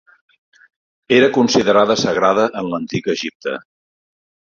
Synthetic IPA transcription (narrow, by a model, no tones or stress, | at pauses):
eɾəkunsiðəɾaðəsəɣɾaðəʔənlənt̪ikəʒip̚t̪ə̰